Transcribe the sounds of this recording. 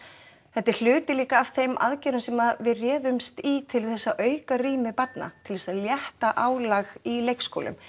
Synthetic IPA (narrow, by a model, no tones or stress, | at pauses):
θɛht̪ːɛɾ̥l̥ʏːt̪ɪliːkaːv̥θejmʔa̰ðcɛːɾʏnsɛmavɪrjɛːðʏmst̪iːt̪ʰɪlθɛsːaʔœːɥkariːmɪpat̪na̰t̪ʰɪlðɛsaðljɛht̪aʔaːwlaɣilejksko̰lʏ̰m